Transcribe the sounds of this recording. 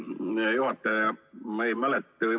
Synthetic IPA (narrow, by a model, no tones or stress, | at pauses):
nejuhɑt̪ːɑjɑmeimælet̪ːɨ